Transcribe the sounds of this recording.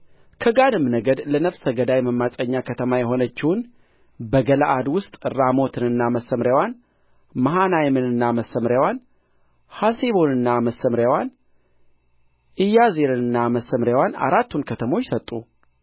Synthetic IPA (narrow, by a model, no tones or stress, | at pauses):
kʰəɡanɨmːnəɡəd̪lənəfsəɡəd̪ajməmːasʼəɲːakʰət̪ʰəmajɛɦo̞nət͡ʃːɪwn | bəɡəlaʔad̪wʊst̪ʼɾamo̞t̪ʰɨnɨnːaməsːəmɾjawan | maɦanajmɨnɨnːaməsəmɾjawan | haseβo̞nɨnːaməsːəmɾjawan | ʔɨjːazeɾɨnɨnːaməsːəmɾjawana̰ɾat̪ːunkʰət̪ʰəmo̞t͡ʃːsət̪ʼːu